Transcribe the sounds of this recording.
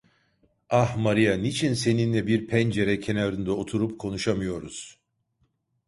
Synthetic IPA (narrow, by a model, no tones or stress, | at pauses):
ahmaɾijanit͡ʃʰinse̞ninlɛbiɾpʰɛnd͡ʒe̞ɾɛcʰe̞naɾɯnd̪ao̞t̪ʰuɾupkʰo̞nuʃamɯjo̞ɾuz̥